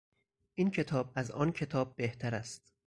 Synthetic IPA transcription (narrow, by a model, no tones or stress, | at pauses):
ʔiːncʰe̞t̪ʰɒːb̚æzʔɒːncʰe̞t̪ʰɒːb̚ːe̞ht̪ʰæɾæst̪